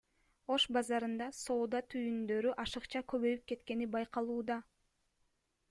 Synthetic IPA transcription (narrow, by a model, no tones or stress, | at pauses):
o̞ʃbɑzɑɾɯnd̪ɑso̞ːd̪ɑt̪ʰyjynd̪ø̞ɾyʔɑʃɯqt͡ʃɑkø̞βø̞jyp̚ke̞t̪ke̞nibɑjqɑlˠuːd̪ɑ